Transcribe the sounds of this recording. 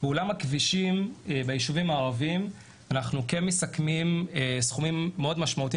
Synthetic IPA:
beulamhakviʃimebejiʃuvimaːʁavim | anaχnukenmesakmimesχumimːeo̞d̪maʃmaut̪i

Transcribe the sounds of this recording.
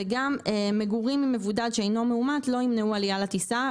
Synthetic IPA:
eɡamemeɡuʁimːime̞vud̪ad̪ʃeejno̞meumat̪lo̞imneualijalat̪isa

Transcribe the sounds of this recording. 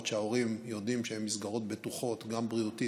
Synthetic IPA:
tʃeao̞ʁimjo̞dimʃehemːisɡaʁo̞t̪̚betuχo̞tɡambʁiut̪i

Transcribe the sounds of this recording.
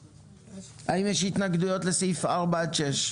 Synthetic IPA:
aimjɛʃitnaɡdujɔtlɪsiːfaʁbat͡ʃɛʃ

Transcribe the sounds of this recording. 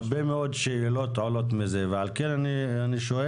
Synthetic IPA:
bemeod̪ʃeilot̪ʕolot̪mizevealkenanianiʃoe

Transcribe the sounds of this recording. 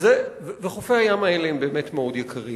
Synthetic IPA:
zevveχofeajamaeleembeːmetmeo̞djekʰaʁi

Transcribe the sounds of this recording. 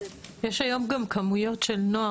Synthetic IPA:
jeʃajomɡamkʰamujo̞tʃelnoa

